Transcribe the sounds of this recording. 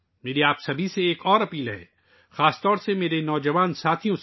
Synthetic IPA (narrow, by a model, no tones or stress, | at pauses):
meːɾiaːpsɐbʱiseeːkɔːɾɐpiːlɦɛ̰̃ː | xaːst̪ɔːɾsemeːɾenɔːd͡ʒɐʋaːnsaːt̪ʰijõs